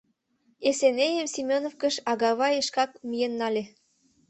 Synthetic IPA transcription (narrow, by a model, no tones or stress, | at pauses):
esenejəmsimʲonofkə̆ʃɑɣɑβɑjeʃkɑk̚mijenːɑlʲĕ